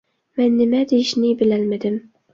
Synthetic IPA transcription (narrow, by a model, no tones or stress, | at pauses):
mɛnːɪmad̪ejʃnɪbɪlalmɪd̪ɪm